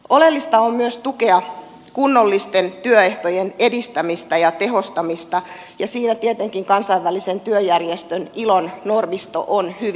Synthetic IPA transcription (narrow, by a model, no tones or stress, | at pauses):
ʔolelːist̪ɑommyøst̪ukeɑ | kunːolːist̪ent̪yøeht̪ojenedist̪æmist̪æjɑt̪e̞ɦost̪ɑmist̪ɑ | jɑsiːnæt̪iet̪eŋkiŋkɑnsɑiʋːælisent̪yøjærjest̪ønilonnormist̪o̰ʔonhy